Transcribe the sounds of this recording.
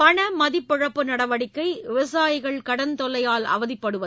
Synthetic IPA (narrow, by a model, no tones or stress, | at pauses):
pɐɳɐmɐðɪpːɔɻɐpːɯnɐɽɐʋɐɽɪkːɐɪʋɪʋɐsaːjɪɣɐɭkɐɽɐnt̪ɔlɐjaːlɐ̰ʋɐðɪpːɐɽɯʋɐ